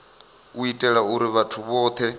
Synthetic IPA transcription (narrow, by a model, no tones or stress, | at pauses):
uitʼɛɺauɾiβatʰuβɔːt̪ʰɛ